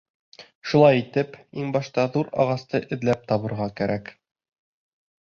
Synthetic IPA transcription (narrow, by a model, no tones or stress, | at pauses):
ʃulˠɑjit̪ɘpiŋbɑʃt̪ɑðuɾɑ̰ʁɑst̪ɤʔɘ̆ðlæp̚t̪ɒβɤ̆ɾʁɑkæɾæk